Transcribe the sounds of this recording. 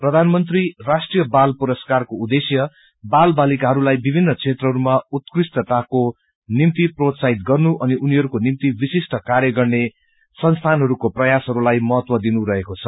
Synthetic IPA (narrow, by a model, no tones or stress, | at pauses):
prʌd̪ʱanmʌnt̪rirasʈrijʌbalpuɾʌskarkoud̪esjʌ | balbalikaɦʌɾulajbibʱinːʌkt͡sʰet̪rʌɦʌɾumaut̪̚krist̪ʌt̪ako | nimt̪iprot̪saɦit̪̚ɡʌrnuʔʌniʔuniɦʌɾukonimt̪ibisisʈʌkarjʌɡʌrne | sʌnst̪ʰanɦʌɾukoprʌjasɦʌɾulajmʌɦʌt̪wʌd̪inuɾʌɦekot͡sʰʌ